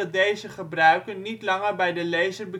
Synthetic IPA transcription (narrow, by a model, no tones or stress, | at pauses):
ɑt̚dejzəχəbrœɥkənːitlɑŋərbɛjdəlejzərbə